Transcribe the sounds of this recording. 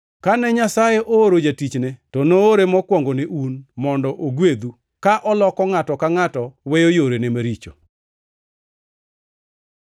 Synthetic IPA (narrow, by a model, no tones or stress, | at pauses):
kanɛɲasajeʔooɾod͡ʒatit͡ʃnɛtɔnooɾemɔkwɔŋɡoneʔunmɔndɔʔoɡwed̪u | kaʔɔlɔkɔŋatɔkaŋatɔwejojoɾenemaɾit͡ʃo̰